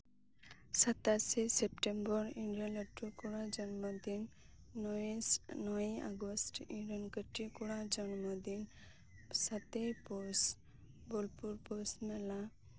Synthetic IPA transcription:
sət̪asisepʈembɔɾiɳɖijɔnəʈːukuɽad͡ʒɔnmɔd̪inː | nɔja̰ɡɔsʈiɳɖiɔnkəʈikuɽad͡ʒɔnmɔd̪in | sat̪ejpɔɾs | bɔlpuɾpɔsmela

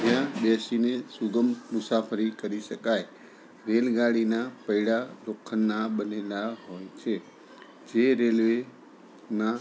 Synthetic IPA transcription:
d͡ʒjãbɛsinesuɡəmmʊsapʰəɾikəɾiʃəkaj | ɾelɡaɽinapəiɽaɾokʰːənːaɓənelaɦojt͡ʃʰe | d͡ʒeɾelʋe | na

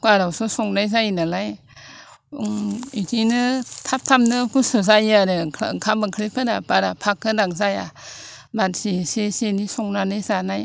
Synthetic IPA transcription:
kaɾawsɔsɔŋnajzajnalaj | itʰinɯtʰap̚tʰamnɯkʰusɔzajaɾɯkʰabɯŋkʰɾikʰɯnapaɾapʰakʰːɯdaŋzaja | batsesesenisɔŋnanɯjzanaj

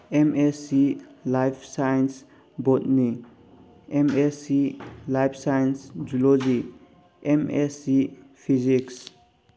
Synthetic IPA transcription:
emesilajpʰsajns | bɔt̪ni | emesilajpʰsajnsd͡ʒulod͡ʒi | emesipʰiziks

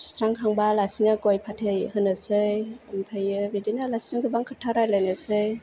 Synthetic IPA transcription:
su̥sɾaŋkʰaŋbalasiŋaɡɔjpʰatʰejhɯnɯsɯjɯmtʰajɯbidinalasiŋɡɯbaŋkʰɯtʰaɾajlajnɯsɯj

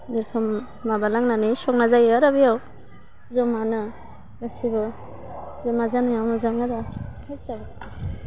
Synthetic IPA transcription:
dɯɾkʰɯmː | abalaŋnanisɔk̚nazajaɾabijaw | zɔmanɯ | ɡasibɯ | zɔmazanɯjawnɯzamadahat͡ʃabɯta

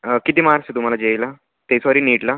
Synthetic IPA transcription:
kit̪iːmaɾset̪um̤alad͡ʑejla | t̪esɔɾiːniːʈla

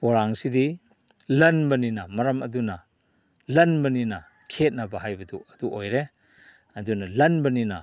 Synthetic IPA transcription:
poɾaŋsidi | lɐnbɐninɐmɐɾɐmɐduna | lɐnbɐnina | kʰet̚nɐbɐɦajbɐduɐduʔojɾe | ɐd̪unɐlɐnbɐninɐ

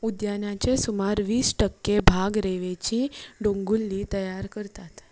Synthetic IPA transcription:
ud̪janjat͡ʃesumaɾʋiːsʈəkːebʱaɡɾeʋet͡ɕĩɖõŋɡulːit̪əjaɾkəɾt̪at̪

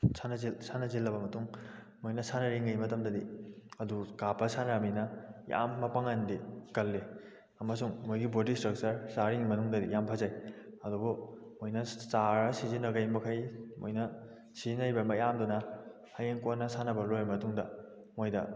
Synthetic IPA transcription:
sʰanɐzisʰanɐzilːɐbɐmɐtuŋ | mojnɐsanɐɾiŋɡɐjmɐtɐmdɐdiɐdukapɐsanɾaminɐja̰mːɐpaŋandikɐlːe | ɐmɐsuŋmojɡibodistɾɐk̚t͡ʃɐɾsaɾiŋimɐnuŋdɐdijampʰazajɐdubumojnɐsaɾɐsizinɐɡɐjmɐkʰɐjmo̰jnɐ | sizinːɐjbɐmɐjamdunɐ | hɐjeŋkonːɐsanɐbɐlojamɐtuŋdɐ | mojdɐ̰

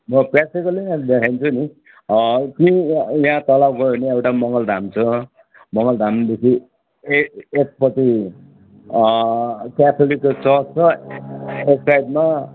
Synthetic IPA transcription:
mʌprak̚ikʌleãd̪ekʰajnt͡sʰuni | k̪iijɦãt̪ʌlawɡʌɾeneewʈamʌŋɡʌld̪ʱamt͡sʰʌ | mʌŋɡʌld̪ʱamd̪ekʰi | ek̚pʌt̪i | kat̪ʰolikːt͡sʌsʌ | eksajdma

